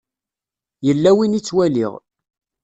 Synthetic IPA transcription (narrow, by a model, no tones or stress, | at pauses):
jəlːæwinit͡sːwælḭʁ